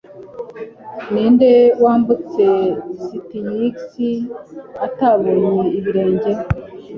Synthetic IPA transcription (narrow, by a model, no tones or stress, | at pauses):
niːnde̞waːmbut͡se̞sitijiksiataβoːɲeiβiɾe̞ːɲɟe̞